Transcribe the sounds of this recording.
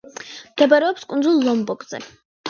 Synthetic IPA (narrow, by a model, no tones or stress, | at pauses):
md̪ɛbaɾɛɔpskʼund̪zulˠːɔmbɔɡʼzɛ̰